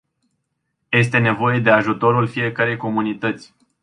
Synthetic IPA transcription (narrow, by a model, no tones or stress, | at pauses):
je̞s̬t̪e̞ne̞vo̞je̞d̪e̞aʒut̪o̞ɾulfije̞kəɾe̞jko̞munit̪ət̪sʲ